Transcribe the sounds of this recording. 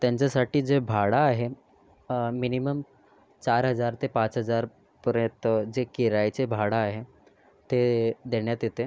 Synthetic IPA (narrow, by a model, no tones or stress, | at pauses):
t̪jaɲt͡ɕjasaʈiːd͡zebʱaɽaːɦe | miniməm | t͡ɕaɾɦəd͡zaɾt̪epãt͡sɦəd͡zaɾ | pəɾẽt̪d͡ʑekiɾajt͡sebʱaɽaːɦe | t̪ed̪eɽjat̪jet̪e